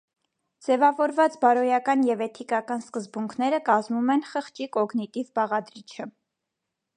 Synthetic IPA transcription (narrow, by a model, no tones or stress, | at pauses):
d͡zɛvɑvɔɾvɑt͡sbɑɾɔjɑkɑnjɛvɛt̪ʰikɑkɑnskəzbuŋkʰnɛɾəkɑzmumɛnχəχt͡ʃikɔɡnit̪ivbɑʁɑd̪ɾit͡ʃʰə